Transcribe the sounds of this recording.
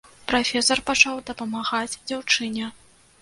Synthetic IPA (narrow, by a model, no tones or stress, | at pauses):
pɾafʲɛsɐrpat͡ʂawd̪ɐpɐmaɣad͡zʲd͡zʲawt͡ʂɨnʲɛ